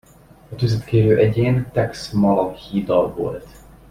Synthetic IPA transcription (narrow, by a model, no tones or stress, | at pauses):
ɒt̪yzɛt̪keːɾøːʔɛɟeːnt̪ɛksmɒlɒhiːd̪ɒlvo̰lt̪